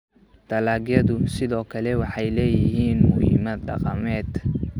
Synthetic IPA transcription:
d̪̥ɐlaːɡjɐðʊsɪðɔːkʰɐlɛwɑħɑjlɛːjɪɦiːnmʊhḭmɐd̪ɖɑ̰qɑmɛːd̪

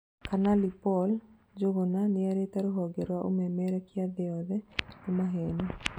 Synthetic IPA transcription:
kʰanalipɔl | d͡ʒoɡonanɪaɾet̪aɾoɦɔɡɛɾwaʔumɛmɛɾɛkɪad̪ɛɔd̪ɛtumaɦeni

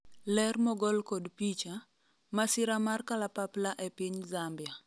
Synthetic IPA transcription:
lɛrmɔɡɔlkɔdpit͡ʃa | masiɾamarkalapaplaʔɛpiɲzambja

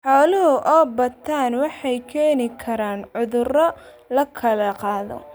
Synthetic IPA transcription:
ħɔːlɪɦʊʔɔːbɐt̪ʰaːnwɑħɑjkʰɛːnɪkʰɐɾaːnʕʊðʊrɔ | lɐkʰɐlɐqɑːðɔ̰

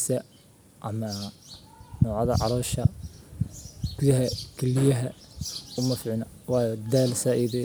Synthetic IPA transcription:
sɐ | ʔɐmɐ | nɔːʕɑðɐ̰ʕɑlɔːʃɐ | ɡ̥uðɐɦɐkʰɛlɪjɐɦɐʊmɐfʕɪnɐwɑːjɔd̪aːlsaːʔiːðɛ

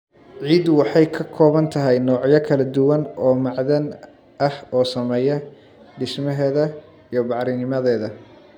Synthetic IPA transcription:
ʕiːd̪wɑħɑjkʰɐkʰɔːβɐnt̪ʰɐɦɛjnɔːʕjɐkʰɐlɐd̪ʊwɐnɔːmɑʕðɐn | ʔɐhɔːsɐmɛːjɐ | ɖɪsmɐɦɛːðɐ | ijɞbɑʕɾɪnɪmɐðɛːðɐ

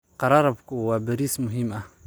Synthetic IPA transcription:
qɑɾˤɑːɾˤɐbkʊwaːbɐɾiːsmʊɦɪmʔɐ

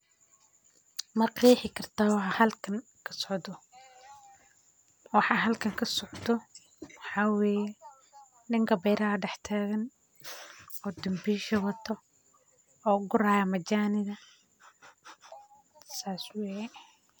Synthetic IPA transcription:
mɐqiːħɪkʰɐrt̪ʰaːwɑħɑhɐlkʰɐŋ | kʰɐ̥sɔʕd̪ɔ | wɑħɑːɦɐlkʰɐŋkʰɐsɔʕd̪ɔ | wħɑːwɛːjɛ | nɪŋkʰɐbɛjɾɐɐɖɛħt̪ʰaːɣɐn | ɔːd̪ʊmbiːʃɐwɐt̪ʰɔ | ɔːɡʊɾaːjɐmɐt͡ʃaːnɪðɐ | saːswɛjɛ

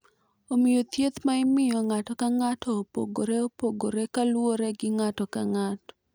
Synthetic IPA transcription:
omɪjot̪jet̪maɪmɪjɔŋatɔkaŋatɔːpo̰ɡoɾeopoɡoɾekalwoɾeɡɪŋatɔkaŋatɔ̥

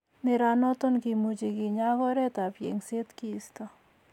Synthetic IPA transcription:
nɪɾanɔt̪onkimud͡ʒiɡɪɲaɡɔɾɛt̪apjḛŋset̪kist̪o

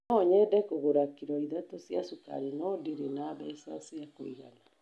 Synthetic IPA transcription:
ɔɔɲɛdɛkoɣoɾakiɾɔiðatosiasuka̰ɾenɔdiɾenaβɛsa̰siakoiɣa̰na

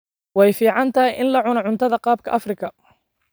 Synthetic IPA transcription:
wɛjfiːʕɑnt̪ʰɐɪjʔɪnlɐʕʊnɐʕʊnt̪ʰɐðɐqɑːb̚kʰɐ̰ʔɐfrɪkʰɐ

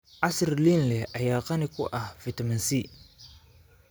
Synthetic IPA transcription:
ʔasɾlinlɛʔɐjaːqɐnɪkʊ̰ʔɐhfit̪ɐmɐnsi

